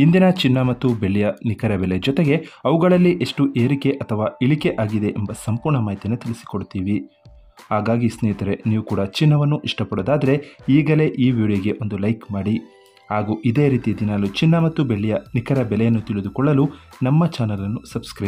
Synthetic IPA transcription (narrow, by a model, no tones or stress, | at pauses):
ind̪inɐt͡ʃinːɐmɐt̪ːubeɭɛjɐnikɐɾɐbɛled͡ʒɔt̪eɡe̞ɐʋuɡɐɭɐlːiʔe̞ʂʈuʔe̞ːɾike̞ʔɐt̪ʰɐʋaːiɭike̞ʔaːɡid̪e̞ʔembɐsɐmpuːɾɳɐmaːjit̪inːet̪iɭisi̥koɽut̪iːʋi | ɦaːɡaːɡisnɛːt̪ɐɾe̞niːʋukuːɽɐt͡ʃinːɐʋɐnːuʔiʂʈɐpɐɽoːd̪aːd̪ɐɾe̞iːɡɐle̞ʔiːʋuːɽɐjɐɡe̞ʔo̞nd̪ulɐjkmaːɽi | haːɡuːʔid̪e̞ːɾiːt̪ijɐd̪inaːlut͡ʃinːɐmɐt̪ːubeɭːɛjɐnikɐɾɐbɛlɛjɐnːut̪iɭid̪ukɔɭːɐlunɐmːɐt͡ʃaːnɐlɐnːusɐbskɾɐ